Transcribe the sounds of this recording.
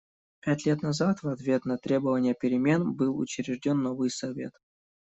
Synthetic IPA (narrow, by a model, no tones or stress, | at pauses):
pʲætʲlʲe̞t̪nɐzat̪vɐt̪vʲe̞t̪nɐt̪ɾʲe̞bəvənʲɪjəpʲɪɾʲɪmʲe̞nbɨlˠʊ̰t͡ɕɪɾʲɪʐdʲo̞nːovɨjsɐvʲe̞̰t̪